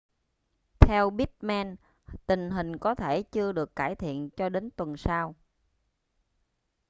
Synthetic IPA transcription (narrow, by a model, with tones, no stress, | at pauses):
t̪ʰɛ˧wɓi˦˥t̚mɛ˧n | t̪ï˨˩ŋ̟ɦï˨˩ŋ̟kɔ˨˦t̪ʰe˧˩t͡ɕɨ˧əɗɨ˨˩əkːaː˧˩jt̪ʰḭ˧˨ənt͡ɕɔ˧ɗe˨˦nt̪wə˨˩nsaː˧w